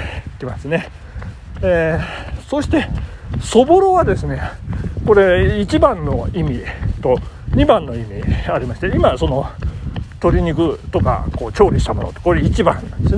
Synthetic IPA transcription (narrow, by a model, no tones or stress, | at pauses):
kʲimasɨne̞ | eso̞ɕi̥t̪e̞so̞boɾo̞ad̪e̞sɨne̞ko̞ɾe̞it͡ɕibãnːo̞imʲit̪o̞ | ɲ̟ibãnːo̞imʲiaɾʲimaɕi̥t̪eimaso̞no̞ | t̪o̞ɾʲiɲ̟ikɯ̟t̪o̞ka̰ko̞ːt͡ɕo̞ːɾʲiɕi̥t̪amo̞no̰ːt̪okoɾeit͡ɕibã̰nã̰nd̪es